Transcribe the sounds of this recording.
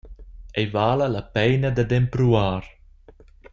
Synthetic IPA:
ɛjvaːləlapɛjnad̪ad̪ɛmpɾuaːɾ

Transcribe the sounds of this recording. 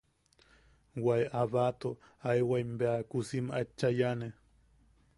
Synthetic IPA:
wajaβat̪o | ajwaimbeakusimat͡ʃːajane

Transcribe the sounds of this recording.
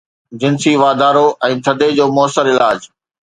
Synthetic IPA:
d͡ʑɪnsiʋaːd̪aːɾoʔɛ̃ːt̪ʰɐd̪ʱed͡ʑoːmʊəsəɾɪlaːd͡ʑ

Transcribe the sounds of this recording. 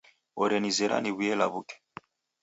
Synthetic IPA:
ɔɾɛnizɛɾa̰niβujɛlaβukɛ̥

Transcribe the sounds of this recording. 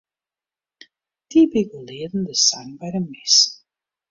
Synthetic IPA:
d̥ibiɡulɪːədən̩dəsaŋbɛjɾənmɪs

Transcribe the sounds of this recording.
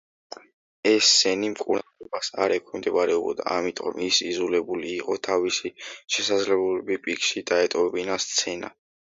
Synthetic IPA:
ɛsːɛnimkʼṵɾnalɔbasa̰ɾɛkʰɛmd̪ɛbaɾɛubɔ̰d̪a̰amit̪ʼɔ̰misizulɛbuliːqʼɔt̪ʰavisiʃɛsad̪zlɛbuɛbipʼikʼʃid̪̥aɛt̪ʼɔɛbinast̪sʰɛna̰

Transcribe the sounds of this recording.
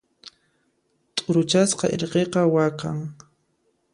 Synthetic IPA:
t̪ʼʊɾʊt͡ʃasqɑ̰ʔḛɾqeqɑwakaŋ

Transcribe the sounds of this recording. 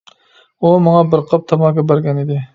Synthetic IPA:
umɑŋɑbɪɾqʰəp̚t̪ʰɑmɑkʲɑbæɾɡʲɛnid̪ɪ

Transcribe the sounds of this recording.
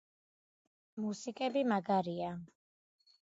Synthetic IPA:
musikʼɛbimaɡaɾia

